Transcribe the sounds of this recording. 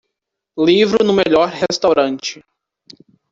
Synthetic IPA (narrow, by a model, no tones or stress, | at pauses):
livɾʊnʊ̃meʎɔɾhest̪awɾɐ̃t͡ʃɪ̥